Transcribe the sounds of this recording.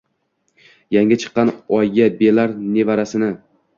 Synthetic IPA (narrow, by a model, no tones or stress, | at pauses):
jaŋʲat͡ʃʰɨ̥qːɑnɒjɡʲabelaɾne̞vaɾasɪnɪ